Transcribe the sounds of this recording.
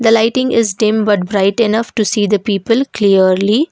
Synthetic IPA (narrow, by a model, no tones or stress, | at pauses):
d̪əlaɪʈɪ̃ŋɪzɖɪ̃mbʌʈ̚bɾaɪʈɪnʌfʈusiːd̪əpiːpəlkliəɾli